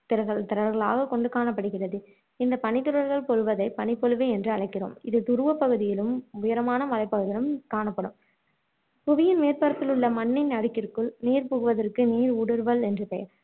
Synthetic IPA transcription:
t̪ɪɾɐɣɐɭt̪ɪɾɐɾɾɣɐɭa̰ːɣɐkɔɳɖɯkaːnɐpːɐɽɯɣɪrɐðɯ | ɪnd̪ɐpɐɳɪt̪ːɯɾɐɾɣɐɭpɔɻɯʋɐðɐɪpɐnɪpːɔɭɯʋeɛndrɯɐɭɐɪkːɪro̰ːmɪðɯt̪ʊɾɯʋɐpːɐɣɯðɪjɪlɯmʊjɐɾɐmaːnɐmɐlɐɪpːɐɣɯðɪlɯmkaːɳɐpːɐɽɯm | pʊʋɪjɪnmeːrpɐɾɐt̪ːɪlɯɭːɐmɐnːɪnɐɽɪkːɪrkɯɭniːɾpʊɣɯʋɐðɐrkɯniːɾʊɽɯɾʋɐlɛndrɯpɛjɐɾ

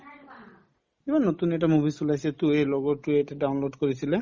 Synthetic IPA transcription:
ibanot̪uneʈ̬amubʱisulajset̪ueloɡɔʈːueʈaɖawnloɖkoɾisʰile

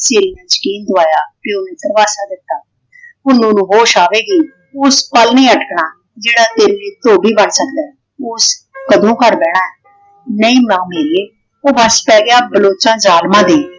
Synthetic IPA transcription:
seːɾiːnãːt͡ʃə̥kiːnd̪ʊʋaːjaːʈiːoːmɪt̪əɾʋaːsaːd̪ɪt̪ːaː | ʊnõːnũːɦoːʃaːʋeːɡiː | ʊspəlnĩːəʈkɳaː | d͡ʒeːɽaːt̪eːɾiliːt̪oːbiːbəɳsəkd̪aː | ʊskəd̪õːkəɾbɛːɽãːɛː | nəĩːmɛ̃õːmeːɾieː | oːbəspɛːɡɪaːbəloːt͡ʃãːd͡ʒaːlmãːd̪eː

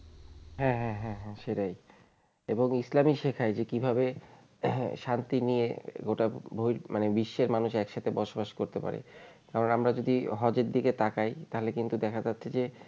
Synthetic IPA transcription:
ɦɛ̃ɦɛ̃ɦɛ̃ɦɛ̃ʃeʈaj | eboŋislamiʃekʰaed͡ʑekibʱabe | ʃant̪iniḛɡoʈabʱojɾmʔanebiʃːeɾmanuʃɛkʃat̪ʰebɔʃobaʃkoɾt̪epa̰ɾḛ | kaɾonamɾad͡ʑod̪iɦɔd͡ʑeɾd̪iket̪akajt̪aɦolekint̪ud̪ɛkʰad͡ʑatːɕʰed͡ʑe

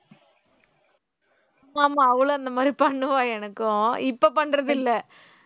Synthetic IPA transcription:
aːmaːmaːɐʋɐɭoːɐnd̪ɐmaːd̪ɾipɐɳːɯʋaːɛnɐkːʊ̃ɪpːopɐɳːɾɐðɪlːɛ

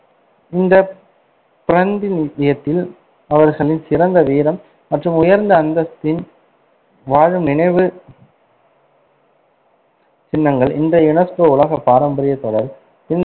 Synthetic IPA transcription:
ɪnd̪ɐ | pɪɾɐnd̪ɪnɪðɪjɐt̪ːɪl | ɐʋɐɾɣɐɭɪnsɪɾɐnd̪ɐʋiːɾɐmː | ɐʈrɯmʊjɐɾnd̪ɐːnd̪ɐst̪ːɪn | ʋaːɻɯmnɪɳɐɪʋɯ | t͡ʃɪnːɐŋɡɐɭʔɪndrɐjʊnɐskoʊɭɐɣɐpːaːɾɐmbɐɾɪjɐt̪ːɔɽɐɾ | t͡ʃɪnː

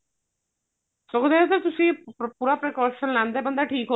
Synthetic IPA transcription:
sokd̪eot̪et̪ʊsĩːpuːɾapɾekɔːʃənlɛ̃ːnd̪eːbə̃nd̪aːʈʰiːkɦo

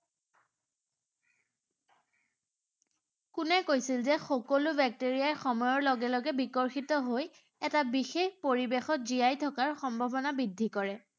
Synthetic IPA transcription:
kʊnɛkojsilzɛxɔkɔlʊbʱɛk̚teɹijaɹxɔmɔjɔɹlɔɡɛlɔɡɛbikɔɹxitɔɦoj | ɛtabixexpoɹibexɔt̚zijajtʰɔkaɹxɔmbʱɔbɔnabidʱːikɔɹɛ

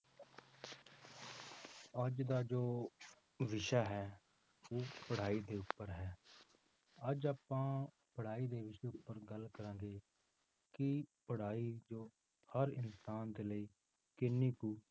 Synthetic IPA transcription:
əd͡ʒd̪aːd͡ʒoː | ʋɪʃaːɦɛː | oːpəɽ̤aːiːd̪eːʊpːəɾɦɛː | əd͡ʒaːpãː | pəɽ̤aːiːd̪eːʋɪʃeːʊpːəɾɡəlkəɾãːɡeː | kɪpəɽ̤aːiːd͡ʒoː | həɾɪnsaːnd̪eːləiː | kɪnːiːkuː

